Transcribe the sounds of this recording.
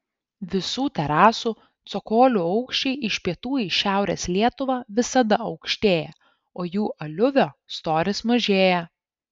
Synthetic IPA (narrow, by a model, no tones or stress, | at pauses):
ʋʲɪsuːt̪ʲɛɾɑːsuː | t̪sɔkoːlʲʊɐʊkʃʲt͡ʃʲɛɪʔɪʃʲpʲiɛt̪uːjiʃʲæˑʊɾʲḛːslʲiɛt̪ʊʋɑːʋʲɪsɐd̪ɐɐʊkʃʲt̪ʲeːjɛ | oːjuːʔɐlʲʊʋʲoːst̪oːɾʲɪsmɐʒʲeːjɛ